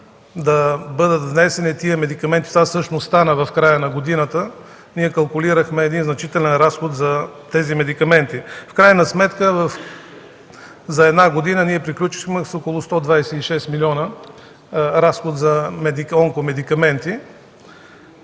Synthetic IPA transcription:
d̪ɐbɤd̪ət̪vnɛsɛnit̪iəmɛd̪ikɐmɛnt̪i̥t̪vasɤʃnosst̪anəvɐfkɾajənɐɡod̪inət̪ə | niɛkɐlˠkʊliɾəxmɛːd̪inznɐt͡ʃit̪ɛlɛnɾasxot̪zɐt̪ɛzimɛd̪ikɐmɛnt̪ifkɾajnɐsmɛt̪kəvɐf | zɐɛd̪naɡod̪inəniɛpɾiklʲut͡ʃi̥xmɛsokolˠʊst̪ɔd̪vajsɛiʃɛst̪milʲiɔnə | ɾasxod̪t̪zɐmɛd̪ikɔŋkomɛd̪ikɐmɛnt̪i

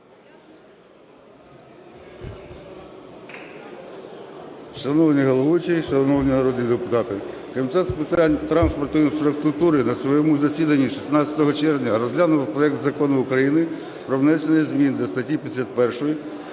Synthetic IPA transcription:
ʃɐnɔwnʲiɦɔlˠɔʋut͡ʃiʃɐnɔwnʲinɐɾɔd̪ʲnʲid̪epʊt̪ɑt̪ɪkɔmʲit̪ɛt̪spɪt̪anʲt̪ɾɑnspɔrt̪ʊinfɾʊkt̪ʊt̪uɾɪnɐsʋɔjɔmuzɐsʲid̪ɐnʲːiʃi̥snɑt͡sʲɐt̪ɔɦɔt͡ʃɛrʋnʲɐɾɔzʲɦlʲanʊʋwpɾɔɛk̚t̪zɐkɔnʊʊkɾɐjinɪ | pɾɔʋnɛsʲenɪjzʲmʲind̪lʲɐst̪ɐtʲipʲisʲɐt̪̚pɛrʃɔji

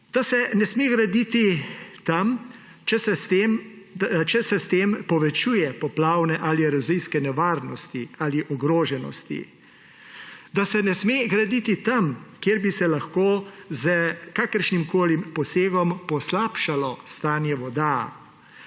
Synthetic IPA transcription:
d̪̥asɛnɛsmeːɡɾad̪it̪it̪am | t͡ʃɛsɛst̪em | t͡ʃɛsɛst̪eːmpɔʋɛt͡ʃuːjɛpɔplaːwnɛʔaːliɾaziskɛnɛʋaːɾnɔst̪iaːliʔɔɡɾoːʒɛnɔ̰st̪ḭ | d̪asɛnɛsmeɡɾad̪it̪it̪amkjeːɾbisɛlaxkoːzəkakəɾʃnimkoːlimpɔseːɡɔmpɔslaːpʃalɔst̪aːnjɛʋɔd̪a

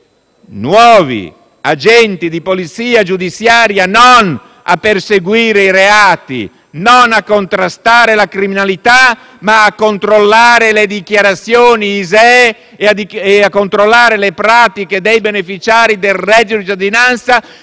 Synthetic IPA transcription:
nwɔːvḭ | ad͡ʒɛnt̪id̪ipolit̪siːad͡ʒud̪it̪sjaːɾjanon | a̰pːerseɡwiːɾeiɾeaːt̪ḭ | nonakːont̪ɾast̪aːɾelakɾiminalit̪a | maːkːont̪ɾolːaːɾeled̪ikjaɾat̪sːjoːniːzaɛ | ad̪ieakːont̪ɾolːaːɾelepɾaːt̪iked̪ejbenefit͡ʃaːɾid̪elrɛd̪ːjod̪id͡ʒ̪ad̪inant̪sa

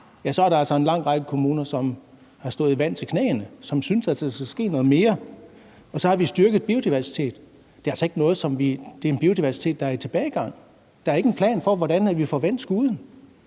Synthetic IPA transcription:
jæsɒ̽æɐɾɑ̈ælsɒe̝nlɑ̈ŋ̰ʁɑ̈ɡ̥əkʰo̝muːnɐsɒ̽m | hɑ̈sd̥ɔ̽ːð̩ˠiʋæn̰t͡sʰe̝kʰnɛ̰ːnəsɒ̽msynsælsskæsɡ̥e̝̰ːnɔ̽ːð̩ˠme̝ːɐ | ɒ̽sɒ̽hɑ̈ʋisd̥yɐɡ̥ð̩ˠb̥io̝d̥iʋæɐsi̥t͡sʰe̝̰ːd̥ | d̥e̝ælsɒe̝ɡ̥ənɔ̽ːð̞̩ˠsɒ̽mʋid̥e̝æe̝nb̥io̝d̥iʋæɐsi̥t͡sʰe̝̰ːd̥ɑæɐit͡sʰe̝b̥ɛːɪɡ̥ɑ̈ŋ̰ | d̥ɑ̈æɐe̝ɡ̥əenpʰlɛ̰ːnfɒʋɒɾ̥ænæʋifɒʋæn̰d̥sɡ̥uːðˠn̩

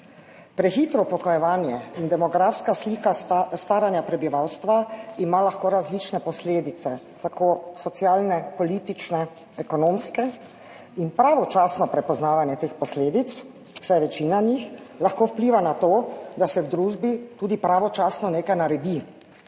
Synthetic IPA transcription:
pɾɛxit̪ɾɔpɔkɔjɛʋaːnjɛind̪ɛmɔɡɾafskaslikast̪aːɾanjapɾɛbiʋawst̪ʋaimalaxkoɾazlit͡ʃnɛpɔsleːd̪it̪sɛ | t̪akoːsɔt̪sjaːlnɛpɔlit̪it͡ʃnɛ | ɛkɔnomskɛ | inpɾaʋɔt͡ʃaːsnɔpɾɛpɔznaːʋanjɛt̪eːxpɔsleːd̪it̪s | w̥sajʋɛt͡ʃiːnanixlaxkoːwpliːʋanat̪oːd̪asɛwd̪ɾuːʒbit̪uːd̪ipɾaʋɔt͡ʃaːsnɔneːkajnaɾɛd̪i

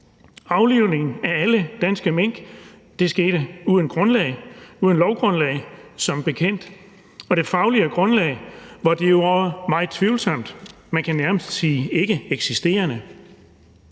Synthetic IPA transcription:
ɑ̈ʊliʊne̝ŋn̩ææləd̥ænsɡ̥əmeŋ̰ɡ̥ | d̥e̝sɡ̥e̝ːɾ̥əuːðˠənɡ̥ʁɔ̽nlɛɪuðˠənlɒʊɡ̥ʁɔ̽nlɛɪsɒ̽mb̥e̝kʰen̰d̥ | ɒ̽ɾ̥e̝fɑ̈ʊliəɡ̥ʁɔ̽nlɛ̰ɪʋɑ̈d̥ejo̝ɒmɑ̈ɪð̩ˠt͡sʰʋiʊlsɒ̽m̰d̥ | mænkʰænæɐməsd̥siːe̝ɡ̥əeɡ̥sisd̥e̝̰ːɐnə

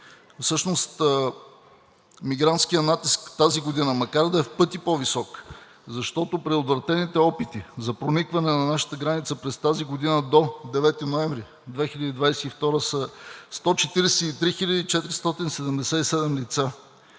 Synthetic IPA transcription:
fsɤʃnost̪ | miɡɾant̪skijənat̪iskt̪aziɡod̪inəmɐkaɾd̪ɐɛfpɤt̪ipovisɔk | zɐʃt̪ɔt̪opɾiot̪vɾɐt̪ɛnit̪ɛɔpit̪izɐpɾonikvɐnɛnɐnaʃə̥t̪əɡɾanit̪səpɾɛst̪aziɡod̪inəd̪od̪ɛvɛt̪inoɛɱvɾi | d̪vɛxilʎʲəd̪iːd̪vajsɛift̪ɔɾəsəst̪ɔt͡ʃɛt̪iɾɛsɛit̪ɾixiʎʲəd̪iit͡ʃɛt̪ɾist̪ɔt̪insɛd̪ɛmd̪ɛsɛisɛd̪ɛmlit̪sa

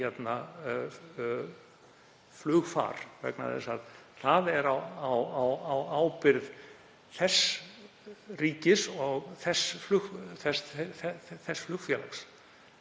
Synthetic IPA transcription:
ɛt̪na | flʏːɣfa̰ːɾ̥vɛ̰kna̰ðɛ̰saðθaðɛɾawawawawaːwpɪɾð | θɛs | riːcɪsɔɣθɛsflʏθɛsɛɛθɛsflʏxtfjɛːla̰ks

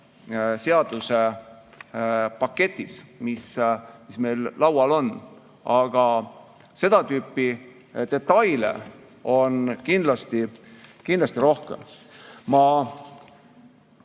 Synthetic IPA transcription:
se̞ɑd̪use | pɑkːe̞t̪ʲˑːismismisme̞jlːɑwɑlo̞nː | ʔɑɡ̥ɑ | se̞d̪̥ɑt̪yːpːi | d̪̥e̞t̪ːɑjlḛ | o̞nkind̪lɑst̪ikind̪lɑst̪iɾo̞hkemmɑ

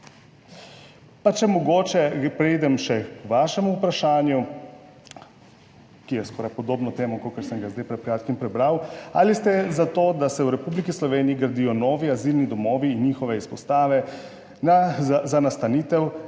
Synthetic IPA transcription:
pat͡ʃɛmɔɡoːt͡ʃɛpɾɛjd̪ɛmʃɛkʋaʃɛmuːpɾaʃaːnju | kijɛskɔːɾajpɔd̪oːbnɔt̪eːmɔkokəɾsəŋɡazd̪ajpɾɛt̪̚pkɾjaːt̪kimpɾɛbɾawa̰list̪ɛzat̪oːd̪asɛwɾɛpublikislɔʋeːniiɡəɾd̪ijɔnɔːʋiazilnid̪ɔmɔːʋiːnːiːxɔʋɛispɔst̪aːʋɛ | nazanast̪aniːt̪ɛw

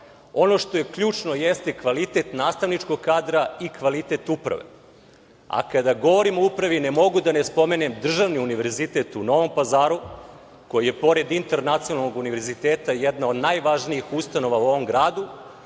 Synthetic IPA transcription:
o̞no̞ʃt̪o̞je̞kʎuːt͡ʃno̞jest̪ekʋalit̪et̪naːst̪aʋnit͡ʃko̞ɡ̚kaːd̪ɾaikʋalit̪e̞t̪upɾa̰ʋḛ | a̰kad̪aɡo̞ʋo̞ɾimoupɾaʋinemo̞ɡud̪anespo̞menemd̪r̩ʒaʋniuniʋe̞ɾzit̪et̪uno̞ʋo̞mpazaːɾu | ko̞jije̞po̞ɾe̞d̪int̪eɾnat̪sionalːoɡuniʋe̞ɾzit̪eːt̪ajɛd̪naod̪najʋaʒniixust̪ano̞ʋauo̞ʋo̞mɡɾaːd̪u

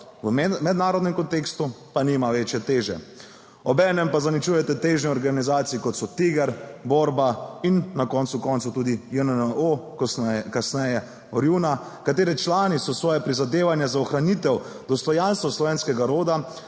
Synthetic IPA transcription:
əmɛd̪naːɾɔd̪nɛmkɔnt̪ekst̪upanimaʋeːt͡ʃjɛt̪eːʒɛ̰ | ɔbɛːnɛmpazanit͡ʃuːjɛt̪ɛt̪eːʒniɔɾɡanizaːt̪siikɔt̪sɔt̪iɡɛɾboɾbainːakɔnsukɔːnt̪sut̪uːd̪ijɛno | kasnɛjɛ | ɔɾjuna | kat̪eːɾit͡ʃlaːnisɔsʋɔːjɛpɾizad̪eːʋanjɛzaɔxɾanit̪ɛw | d̪ɔst̪ɔjanst̪ʋɔslɔʋeːnskɛɡaɾoːd̪a

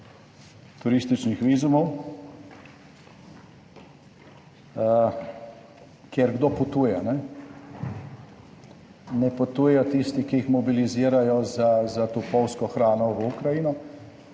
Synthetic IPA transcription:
t̪uɾist̪it͡ʃnixʋiːzumɔw | kjɛɾɡd̪oput̪uːjɛnɛ | nɛput̪uːjɛjɔt̪ist̪ikiixmɔbiliziːɾajɔzazat̪upɔwskɔxɾaːnɔʋukɾajinɔ

